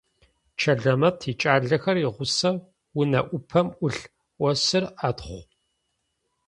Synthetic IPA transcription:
t͡ʃʰɐɮɐmɐtʰiːt͡ʃʼaːɮɐxɐrɪʁʷʊsɐ | wʊnɐʔʷʊpʰɐmʔʷʊɬ | ʔʷɔsɨraːtχʷ

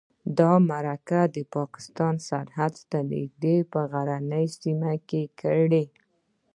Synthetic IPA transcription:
d̪ɑmaɾakad̪əpɑkɪ̥st̪ɑnsaɾhad̪st̪anḛk̚d̪epəɣaɾanəjsimakekʰəɽe

